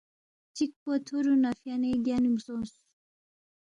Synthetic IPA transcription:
t͡ʃik̚pot̪ʰuɾunafjaneɡanimsos

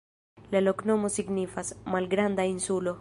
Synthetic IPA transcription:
laloknomosiɡnifasmalɡɾand̪ainsulo

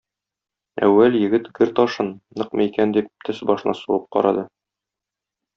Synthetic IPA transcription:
æ̰wːæljɘ̆ɡɘt̪ɡɘɾt̪ɒʃɤnːɤqmɤikænd̪ip̚t̪ʰɵsbɒʃɤ̆nɑ̰suwɤp̚qɒ̰ɾɑd̪ɤ

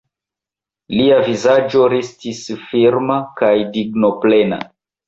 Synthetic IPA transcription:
liavizad͡ʒo̞ɾestisfiɾmakajdiɡnoplena̰

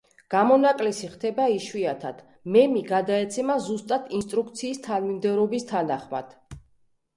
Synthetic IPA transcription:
ɡ̥amɔnakʼlɛsiχt̪ʰɛbaiʃwiat̪ʰad̪̥ | mɛmiɡad̪aɛt̪sʰɛmazust̪ʼat̪ʰinst̪ʼɾukt̪sʰiːst̪ʰanmimd̪ɛvɾɔbist̪ʰanaχma̰d̪̥

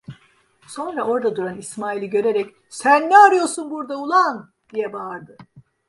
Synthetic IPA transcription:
so̞nɾao̞ɾd̪ad̪uɾanismaːilʲiɟø̞ɾeɾɛc | sænːɛaɾɯjo̞ɾsunbuɾd̪aulˠan | d̪̥ijɛbaɾd̪ɯ

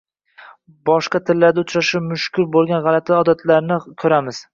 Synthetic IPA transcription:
bɒʃqɑt̪ʰɪlːaɾd̪aʊt͡ʃɾaʃamʊʃkʲʊɾbolˠɡʲanʁɑlat̪ʰɪɒd̪at̪ʰlaɾnɪkʲʰɵɾamɪz̥

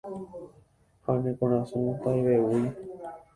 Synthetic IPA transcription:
hanẽkõɾ̃ãsũt̪ajβewuj

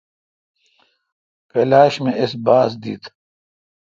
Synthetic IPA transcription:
keːlaːɕmẽɪsbaːsd̪ḭːt̪ʰ

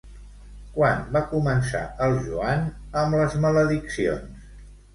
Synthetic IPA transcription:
kwanbakumənsa̰əlˠʒuan | əmləzmələðiksio̰ns

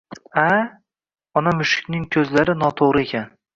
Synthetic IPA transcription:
a | ɒnamʊʃɪ̥kʲnɪŋkʲʰɵzlaɾɪnɒt̪ʰoʁɾɪe̞kʲʰan

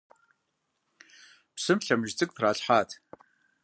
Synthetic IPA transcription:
psɨmɬɐmʒt͡sʼɨkʼθraːɬħaːtʰ

